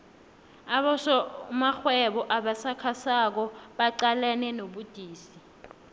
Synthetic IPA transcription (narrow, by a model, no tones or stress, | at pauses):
aɓɔsɔmaxwɛɓɔʔaɓasakʰasak̬ɔɓaǃalɛnɛnoɓud̥ʱiːsi